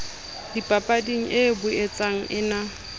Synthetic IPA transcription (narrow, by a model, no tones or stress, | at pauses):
dipʼapʼadiŋ̩ʔɪbʊet͡sʼaŋ̩ʔɪna